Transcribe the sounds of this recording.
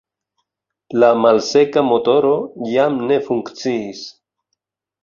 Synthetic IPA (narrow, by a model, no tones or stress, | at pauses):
lamalse̞kamo̞to̞ɾo̞jamne̞fuŋkt͡siːs